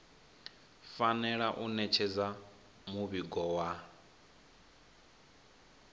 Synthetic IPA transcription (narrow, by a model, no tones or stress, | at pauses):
fanɛɺaʔunɛt͡ʃʰɛd͡za | muβiɡɔwa